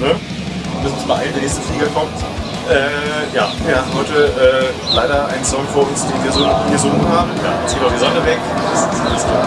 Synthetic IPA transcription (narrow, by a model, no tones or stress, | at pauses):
nə | mɪsnsmaʔa̰ɪəndɛɐnɛːstn̩fliːɡɐkʰɔmt | ʔɛːjaːviɐhaːm̩hɔʏtəʔɛː | laɪɾɐʔa̰ɪnsɔŋfoːɐʊnsd̥eːnviːɐzoːviːɐzonŋhaːbm̩ja̰ːɪsɡ̥inʊxd̥iːzɔnəvɛkɪsmɪstː